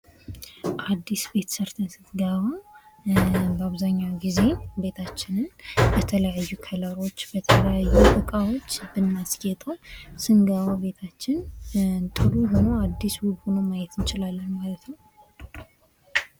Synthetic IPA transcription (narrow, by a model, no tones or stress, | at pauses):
ʔad̪ːisbe̞t̪ʰsəɾt̪ʰəsɨt̪ɡaβa | bəaβzaɲːaɡize̞be̞t̪ʰat͡ʃːɪnɨnbət̪ʰələjajːukʰələɾo̞t͡ʃːbət̪ʰələjajːutʼɨkʼawo̞t͡ʃːbɨnːasɡet̪ʼəwsɨŋɡaβabe̞t̪ʰat͡ʃːɪnt̪ʼɨluɦo̞noad̪ːiswubho̞nomajɛt̪ɨnt͡ʃɪlalːənmalət̪nəw